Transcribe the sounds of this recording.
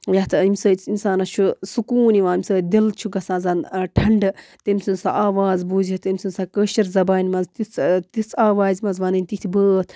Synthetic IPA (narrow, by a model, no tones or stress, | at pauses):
jɐt̪ʰɨimsəːt͡sinsaːnɐt͡ʃʰusukuːniʋaːimʲsəːd̪ilt͡ʃʰuɡɐsãːzaːnʈʰɐɳɖɨt̪imʲsɨnsa̰ʔaːʋaːzbuːzit̪imʲsɨnsakəːʃɐɾzɐbaːnʲmɐzt̪it͡st̪it͡saːʋaːzʲmɐzʋɐnɨnʲt̪it̪ʰʲbəːt̪ʰ